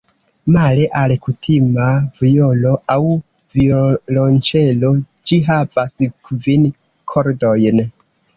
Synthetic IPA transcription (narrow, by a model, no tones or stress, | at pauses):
maleʔalkutʰimaviolo̞aw | violont͡ʃe̞lo̞ | d͡ʒiɦavaskvin | kʰoɾdo̞jn